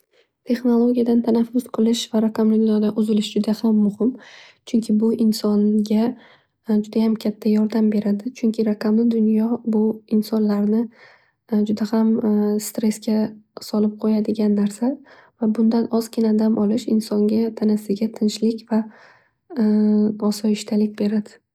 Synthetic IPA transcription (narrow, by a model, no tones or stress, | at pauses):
t̪ʰe̞χnolˠoɡʲijad̪ant̪ʰanafːʊz̥qʰɨlˠɪʃvaɾaqʰɑmlɪd̪nɒd̪aʔʊzɪlɪʃd͡ʒʊd̪ahamːʊhɪmt͡ʃʰʊŋkʲʰɪbʊʔɪnsɒnɡʲa | d͡ʒʊd̪ajamkʲʰat̪ʰːajɒɾd̪ambe̞ɾad̪ɪt͡ʃʰʊŋkʲʰɪɾaqʰamɪd̪ʊnjɒbʊɪnsɒnlaɾnɪ | d͡ʒʊd̪ahamst̪ɾe̞skʲasɒlɪp̚qʰojad̪ɪɡʲanːaɾsa | vabʊnd̪anʔɒz̥kʲɪnad̪amʔɒlˠɪʃɪnsɒŋɡʲat̪ʰanasɪɡʲat̪ʰɪnʃlɪkʲva | ɒsɒɪʃt̪ʰalɪk̚ʲbe̞ɾad̪ɪ